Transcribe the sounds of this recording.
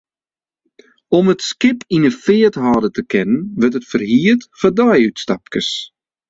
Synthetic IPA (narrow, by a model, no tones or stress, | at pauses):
ɔmətskɪpinəfɪːəthɔːdətəkʰɪnənʋərtətfərhiətfədɔjytstap̚kəs